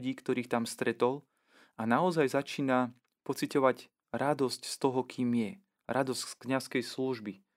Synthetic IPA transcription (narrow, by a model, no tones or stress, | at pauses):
ɟiːkt̪ɔɾiːxt̪amst̪ɾɛt̪ɔl | anaɔzajzat͡ʃiːna | pɔt͡sicɔʋaɟ | ɾad̪ɔscst̪ɔɦɔkʰiːmjɛ | ɾʔad̪ɔscskɲaskɛjsluʒbi